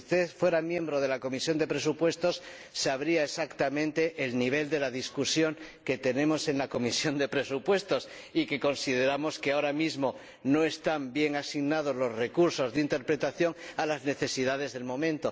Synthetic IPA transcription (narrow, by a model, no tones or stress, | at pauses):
st̪e̞θfwe̞ɾamjẽ̞mbɾoð̞e̞lako̞misjo̞nd̪e̞pɾe̞supwe̞st̪o̞sː | aβ̞ɾiaesakt̪amẽnt̪e̞ʔelniβ̞e̞ld̪e̞laðiskusjo̞ŋke̞t̪e̞nẽ̞mo̞se̞nlako̞misjo̞nd̪e̞pɾe̞supwe̞st̪o̞s | ike̞ko̞nsiðe̞ɾamo̞ske̞aoɾamizmo̞ | no̞e̞st̪ambje̞ŋasiɣnað̞o̞zlo̞zre̞kuɾso̞zðint̪e̞ɾpɾe̞t̪aθjo̞ŋalazne̞θe̞siðað̞e̞zðe̞lmõ̞mẽnt̪o̞